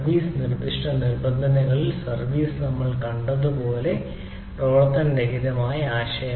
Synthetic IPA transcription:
ʋiːsɨnird̪iʂʈɐnirbɐnd̪ʱɐnɐɣɐɭilsɐrʋiːsɨnɐmːɐɭkɐɳɖɐðupoːle̞ | proːɭɐt̪ːɐndeɦiðɐmaːjɐaːɕɐjɐ

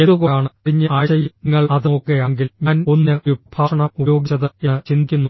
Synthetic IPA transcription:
eðukoaːɳɨiɲːɨʔaːjɕɐjiŋːɐɭɐðɨokːejaŋɡilɲɐnonːɐʋib̥ʰʱaːʂɐɳɐujo̞ːɡit͡ɕːɐðɨet͡ɕind̪ikʲːunːu

